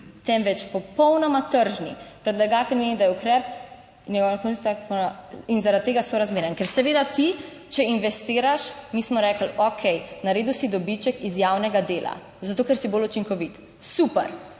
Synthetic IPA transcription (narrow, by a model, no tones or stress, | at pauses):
t̪ɛmʋɛt͡ʃpɔpɔwnɔmat̪əɾʒnḭpɾɛd̪laɡaːt̪əlmeid̪ajɛukɾɛp̚ | nʲjɛɡɔwnakonist̪aɔinzaɾad̪̚t̪ːeːɡasoɾazmeːɾjənkɛɾsɛʋeːd̪at̪i | t͡ʃɛinʋɛst̪iːɾaʃmismɔɾɛːkəlokʰɛjnaɾeːd̪usid̪ɔbit͡ʃɛkizjawnɛɡad̪eːlʔa̰ | zat̪oːkɛɾsibolut͡ʃiŋkɔʋit̪ | supɛ̰ɾ